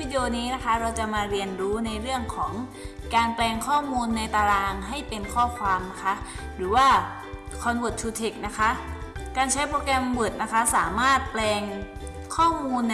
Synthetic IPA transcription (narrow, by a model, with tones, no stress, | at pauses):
i˦˥joː˧niː˦˥na˦˥kʰa˦˥ɾa˧wt͡ɕa˨˩maː˧ɾi˧ənɾuː˦˥na˧jɾɯ˥˩əŋkʰɔː˩˦ŋ | kaː˧nplɛː˧ŋkʰɔː˥˩muː˧nːa˧jt̪aː˧ɾaː˧ŋɦa˥˩jpe˧nkʰɔː˥˩kʰwaː˧mna˦˥kʰa˦˥ʔɾɯː˩˦waː˥˩ | kʰɔː˧nwu˨˩t̪t͡ɕʰuː˧t̪ʰe˨˩k̚na˦˥kʰa˦˥ʔkaː˧nt͡ɕʰa˦˥jpʰoː˧kɛ˧mbɯ˨˩t̪̚na˦˥kʰa˦˥saː˩˦maː˥˩t̪̚plɛː˧ŋ | kʰɔː˥˩muː˧nː